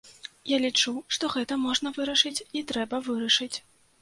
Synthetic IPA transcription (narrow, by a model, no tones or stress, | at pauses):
jalʲit͡ʂuʂt̪ɔɣɛt̪ɐmɔʐnɐvɨɾɐʂɨt͡sʲit̪ɾɛbɐvɨɾɐʂɨt͡sʲ